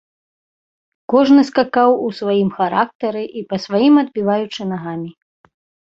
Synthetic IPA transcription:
kɔʐnɨskakawusvajimxaɾak̚t̪ɐɾɨʔipɐsvajimɐd̪̚bʲivajut͡ʂɨnaɣamʲi

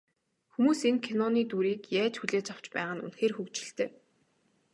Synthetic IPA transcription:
xumuːseŋkʰenɔniːt̪uɾiːkjæːt͡ɕxuɮeːt͡ɕaw̥t͡ɕpæ̰ːʁə̆nṵnxeːrxɵkt͡ɕɪ̆ɬt̪ʰeː

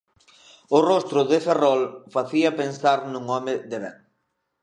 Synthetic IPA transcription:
ʊrɔst̪ɾʊðɪferɔlfaθiɐpensaɾnũŋɔmɪðeβɛ̰ŋ

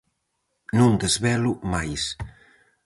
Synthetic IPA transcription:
nund̪əzβɛlumajs

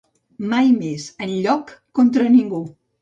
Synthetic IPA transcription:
majmezənʎɔkː | ont̪ɾəniŋɡu

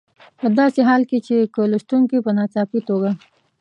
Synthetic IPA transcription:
pəd̪ɑseɦɑːlket͡ʃekəlʊʃʈ̪uŋkipənɑt͡sɑpit̪oɡa

